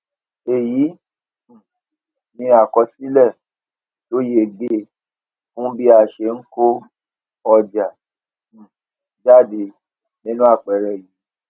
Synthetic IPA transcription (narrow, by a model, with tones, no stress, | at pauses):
e˨ji˨˦˨ | nĩ˧a˨kɔ˧si˦lɛ˦˨ | to˦je˦˨ɡ͡be˦ | fũ˦bi˦a˧˨ʃe˧˦ŋ̩˦ko˦ | ɔ˧d͡ʒa˨ | d͡ʒa˦˨de˧ | nĩ˦nũ˦a˦˨k͡pɛ˨ɾɛ˨ji˨˦